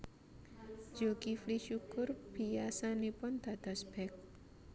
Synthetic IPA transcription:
d͡ʒoɡifliʃukʊrb̥i̤jasanepʊnd̪̥a̤d̪̥a̤sb̥ɛk̚

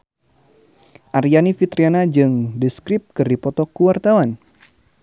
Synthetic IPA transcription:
ʔaɾianifit̪ɾianad͡ʒɨŋdiskɾɪp̚kɨrdipɔt̪ɔkuwart̪awan

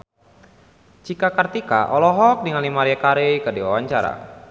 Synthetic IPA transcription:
t͡ʃikakart̪ika̰ʔɔlɔɦɔk̚dəŋanlimaɾiakaɾekədiwawaɲt͡ʃaɾa̰

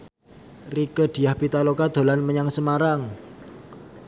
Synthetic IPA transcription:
rikəd̪̥i̤jahpit̪alokad̪̥o̤lanməɲaŋsəmaɾaŋ

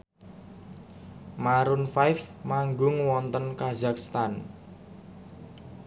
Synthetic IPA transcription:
maɾʊnfajfmaŋɡʊŋwɔnt̪ənkazakst̪an

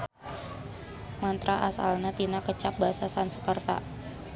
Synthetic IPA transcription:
mant̪ɾaʔasa̰lnat̪inakət͡ʃap̚basasansəkərt̪a̰

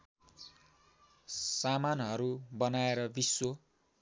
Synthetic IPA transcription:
samanɦʌɾubʌnaeɾʌbiswo

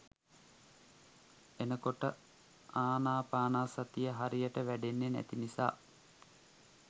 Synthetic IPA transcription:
enəkoʈə | aːnaːpaːnaːsat̪ijəɦaɾijəʈəʋæɖenːenæ̰t̪inisa̰ː

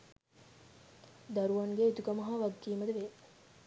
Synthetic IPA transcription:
d̪ɐɾuʋɐŋɡeit̪ukɐmɐɦaːʋɐɡːiːmɐd̪eʋe

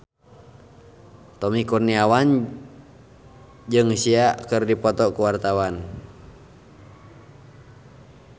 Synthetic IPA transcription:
t̪ɔmikurniawan | d͡ʒɨŋsiaʔkɨrdipɔt̪ɔkuwart̪awan

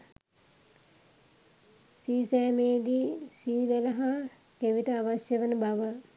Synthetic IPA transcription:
siːsɛːmeːd̪iːsiːʋæləɦa | keʋitəaʋasjəʋənəbaʋə

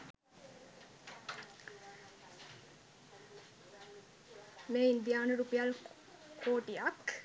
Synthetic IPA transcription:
meːind̪ijaːnəɾupijal | kʰoːʈijak

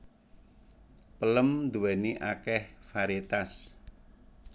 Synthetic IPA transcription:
pələmd̪uwɛniʔakɛhfaɾet̪as

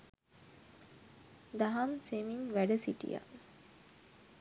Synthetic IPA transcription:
d̪aɦɐmsemiŋʋæɖəsiʈḭja̰

